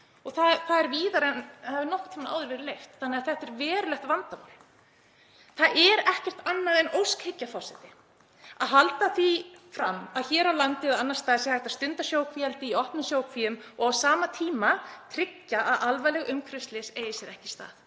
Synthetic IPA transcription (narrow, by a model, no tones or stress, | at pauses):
ɔɣθaðθaðɛɾviːðaɾɛnavɪɾnɔhkɔ̥t̪ʰamna̰wðʏɾvɛɾɪlejft̪θanːɛaðθɛht̪ɛɾvɛːɾʏlɛht̪vant̪aval | θaðʔɛɾɛhcɛr̥t̪anːaðɛnowskhɪcːafawsɛt̪ɪ | aðɦalt̪aθifɾamːaðçɛːɾawlant̪ɪðaanːaɾst̪aːðɪsjɛhajht̪ḁst̪ʏnt̪asjoːwkʰvialt̪ɪiɔhpnʏsjowkviːʏmɔɣawsaːmat̪ʰiːmat̪ʰɾɪcːaʔaðʔalvajlɛɣʏmkʰɾʏst̪lɪseːjɪsjɛɾɛhcɪ̥st̪a̰ːθ